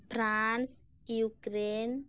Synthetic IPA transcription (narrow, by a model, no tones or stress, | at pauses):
frans | ukɾen